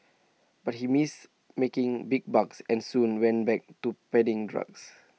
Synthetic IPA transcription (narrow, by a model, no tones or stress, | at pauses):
b̥at̚himis | mekɪ̃ŋbiɡ̚baksɛ̃nsũnwɛ̃nbɛk̚tupɛdĩŋdɹa̰ks